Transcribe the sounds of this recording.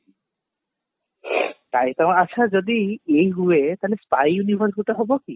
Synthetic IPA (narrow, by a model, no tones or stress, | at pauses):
t̪ajt̪aat͡ɕʰad͡ʒod̪iejɦuet̪alespajunibʱaɾuʈaɦɔboki